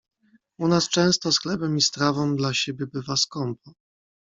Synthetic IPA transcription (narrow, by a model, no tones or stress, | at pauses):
unast͡ʂɛ̃w̃st̪ɔsxlɛbɛmist̪ɾavɔ̃md̪laɕebʲjɛbɘvaskɔmpɔ